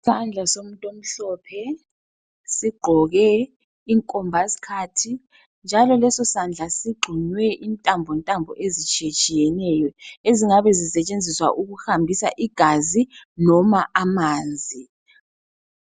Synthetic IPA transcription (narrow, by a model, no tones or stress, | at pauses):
sand͡ɮʱasom̩tʼom̩ɬɔːpʰɛ | siɡ͡ǃʱɔɣɛ | iŋkʼɔmbʱasi̥kʰatʰi | nd͡ʒʱalɔlɛsɔsand͡ɮʱasiɡ͡ǃʱiɲwɛʔintʼambʱɔntʼambʱɔ̰ʔezit͡ʃʼiet͡ʃʼijɛnɛjɔeziŋaβɛzisɛt͡ʃʼend͡zʱiswa̰ʔuɣuhambʱisa̰ʔiɡ̥ʱazinɔmaʔamaːnd͡zʱi